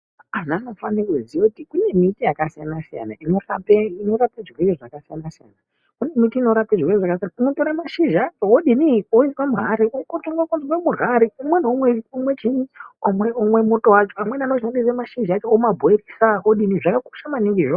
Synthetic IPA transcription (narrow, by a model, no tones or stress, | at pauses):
anano̞fankuzijokutikune̞mitijakasijanasija̰na̰ʔino̞rapeino̞ɾapeʐirweriʐakasijanasija̰na | kune̞mitiino̞ɾapeʐirweriʐakas̬ianaunotoɾamaʃiʒat͡ʃooɗinioiswamuɦaɾiokotoŋɡakunzwamuraɾiumwe̞nomweumwe̞t͡ʃiniomeomwe̞motowat͡ʃoamwenano̞ʃandisamaʃiʒat͡ʃoomabʱoerisaɦoɗiniʐakako̥ʃamaniŋɡiʐo